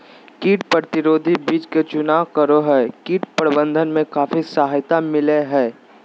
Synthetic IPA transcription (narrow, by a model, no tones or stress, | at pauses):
kiːʈ̚pɾəɾət̪ɪɾoːd̪ʱibiːt͡ʃket͡ʃʊnaːkəɾoɦɛːkiːʈ̚pəɾbə̃nd̪ʱənmẽkaːfisaɦjt̪amɪleɦɛː